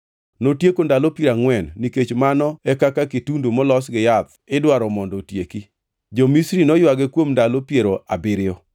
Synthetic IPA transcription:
notjekondalɔpiɾaŋwɛnːiket͡ʃmanɔɛkakakitundomɔlɔsɡɪjat̪ | ɪdwaɾɔmɔndɔtjeki | d͡ʒomisɾinɔjwaɡɛkwomndalopjeɾoabɪɾɪɔ

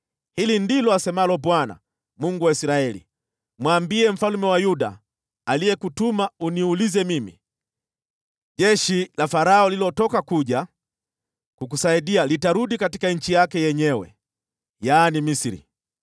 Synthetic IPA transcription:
hilindilɔasɛmalɔbwana̰ | muŋɡuwaisɾaɛlḭ | mwaːmbiɛm̩falumɛwajuda̰ | aliɛkutumauniulizɛmimḭ | ʄɛʃilafaɾaɔlilɔtɔkakuʄa | kukusaidialitaɾudikatikaɲ̩t͡ʃijakɛjɛɲɛwɛ̰ | jaːnimisiɾḭ

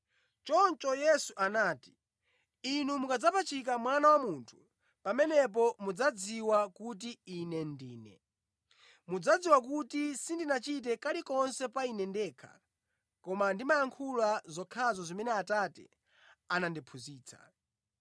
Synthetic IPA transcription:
t͡ʃɔnt͡ʃɔjɛsuʔanaːti̥ | inumukad͡zapat͡ʃʰik̬amwanawamuntʰu̥ | pamɛnɛp̬ɔmud͡zad͡ziwakut̬iinɛndiːnɛ̰ | mud͡zad͡ziwak̬utisindinat͡ʃit̬ɛkalikɔnsɛpainɛndɛːkʰḁ̰ | kɔmandimajaŋkʰulazɔkʰazɔzimɛnɛatatɛ̰ | anandipʰuziːt͡sʰḁ̰

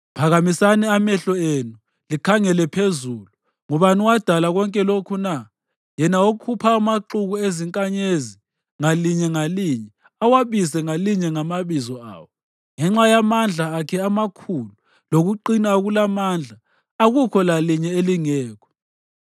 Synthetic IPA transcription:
pʰaɣamisanɛamɛɬɔenu | likʰaŋɛlɛpʰezulu | ŋɔβaniwad̥ʱalaɣɔŋkʼɛlokʰuna | jɛnawoukʰupʰaːmaǁuɣueziŋkʼaɲezi | ŋaliɲɛŋaliɲɛ | awaβisɛŋaliɲɛŋamaβizɔa̰ːwɔ | ŋɛŋ͡ǁajamand͡ɮʱaːkʰɛamakʰulu | loɣuǃinaɣulamand͡ɮʱa | aɣukʰɔlaliɲɛeliŋɛːkʰɔ̥

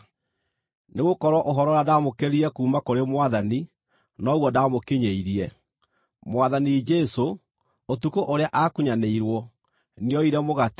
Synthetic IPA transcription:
neɣokɔɾwɔʔoɦɔɾɔɾadamokeɾiɾɛkuːmakoɾemwaðani | nɔɣwɔdamokeɲeiɾiɛ | mwaðanid͡ʒɛso | otukoʔoɾeaʔakuɲaneiɾwɔ | neɔiɾɛmoɣat

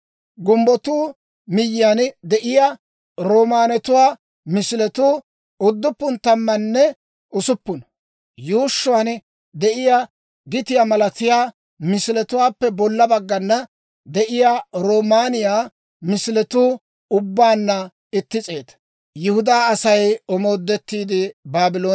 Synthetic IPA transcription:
ɡʊmbɔt̪uː | mɪjːjand̪ɛʔɪjaː | ɾoːmaːnɛt̪ʊwaː | mɪsɪlɛt̪uː | ʊd̪ːʊpːʊnt̪ɐmːɐnːɛ | ʊsʊpːʊn | juːʃːʊwan | d̪ɛʔɪja | ɡɪt̪ɪjaːmɐlɐt̪ɪjaː | mɪsɪlɛt̪ʊwaːpːɛbɔlːɐbɐɡːɐnːɐ | d̪ɛʔɪjaːɾoːmaːnɪjaː | mɪsɪlɛt̪uː | ʊbːaːnːɐ | ɪt̪ːɪt͡sʼe̞ːt̪ɐ̥ | jɪhʊd̪aːɐsɐjɔmoːd̪ːɛt̪ːiːd̪ɪbaːbɪlo̞ː

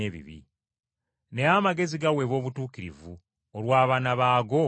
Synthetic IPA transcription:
eβḭβḭ | neamaɡe̞ziɡawe̞βo̞ːβutuːkiɾḭvu | olwaːβanaβaːɡo̞

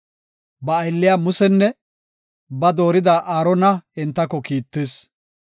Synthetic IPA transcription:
bɐːjlːɪjaːmʊsɛnːɛ | bɐd̪o̞ːɾɪd̪aʔaːɾɔnɐɪnt̪ːɐkːɔkiːt̪ːes

